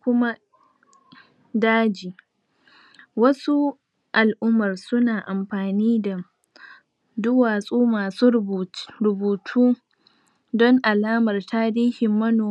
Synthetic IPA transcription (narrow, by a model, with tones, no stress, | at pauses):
kʷʊ˦ma˦ | daː˦d͡ʒiː˨ | wɐ˦su˦ | ʔa˨lʔʊ˦mːɐ˨rsʊ˦naː˨ʔa˨mɸaː˨niː˦da˨ | dʊ˦waː˨sʼuː˦maː˨suː˦ɾʊ˨buː˨tʰuː˦ | dɔ˦ŋʔa˨laː˦mɐ˨rtʰaː˦ɾiː˦hɪ˨mːɐ˦noː˨